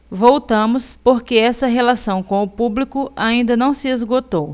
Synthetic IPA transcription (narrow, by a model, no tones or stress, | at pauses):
vowt̪ɐ̃mʊspoɾkeɛsɐɦelasɐ̃w̃kõw̃ʊpublikʊaĩnd̪ɐnɐ̃w̃sɪezɡot̪ow